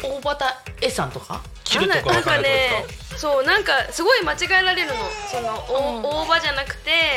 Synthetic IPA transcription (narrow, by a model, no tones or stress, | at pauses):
oːbat̪aesãnt̪oka̰ | kʲãnãŋkane̞ | sonãŋkasɨɡo̞imat͡ɕiɡaeɾaɾe̞ɾɯ̟no̞so̞no̞ʔoːbad͡ʑanakɯ̟̥t̪e̞